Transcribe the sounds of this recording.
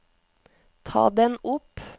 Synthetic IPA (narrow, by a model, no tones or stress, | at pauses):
t̪ʰɑ̰ːd̪ɛnʊp